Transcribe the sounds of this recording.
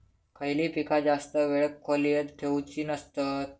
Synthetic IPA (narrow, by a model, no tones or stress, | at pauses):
kʰəjliːpikad͡zast̪əʋeɭəkʰːɔlijet̪ʈʰeut͡ɕiːnəst̪ət̪̚